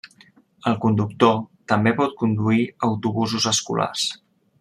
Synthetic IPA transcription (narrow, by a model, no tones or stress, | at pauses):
əlˠkund̪ukt̪ot̪əmbepɔt̪̚kund̪uiəwt̪uβuzuzəskṵla̰s